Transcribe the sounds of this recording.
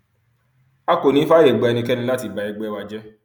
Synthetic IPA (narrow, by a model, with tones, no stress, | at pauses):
a˧ko˨nĩ˨˦fa˦ɾe˨ɡ͡bɛ˨˧ɛ˧nĩ˧kɛ˦nĩ˧la˦ti˦˨ba˨ɛ˧ɡ͡bɛ˦wa˧d͡ʒɛ˦